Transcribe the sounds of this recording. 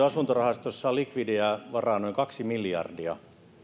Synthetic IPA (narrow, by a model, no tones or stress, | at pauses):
ɑsunt̪orɑhɑst̪osːɑlikʋidiɑʋɑrɑːˑnoiŋkɑksimiljɑ̰rdiɑ̰